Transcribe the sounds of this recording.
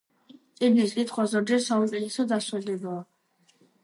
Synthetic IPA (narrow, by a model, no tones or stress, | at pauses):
t̪sʼibniskʼit̪ʰχwazɔɾd͡ʒɛɾsausʼiɛsɔd̪aswɛlɛbaː